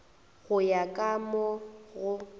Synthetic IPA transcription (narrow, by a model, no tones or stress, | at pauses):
ɣʊjakʼamɔɣʊ